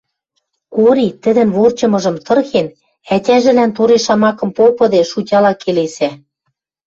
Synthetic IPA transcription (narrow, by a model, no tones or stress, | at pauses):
koɾit̪ə̆d̪ɘ̆nβort͡ɕɤ̆mɤ̆ʒɤ̆mt̪ɤ̆rxen | ætʲæʒɘ̆lænt̪oɾeʃɑmɑkɤ̆mpopɤ̆d̪eʃutʲɑlɑkelesæ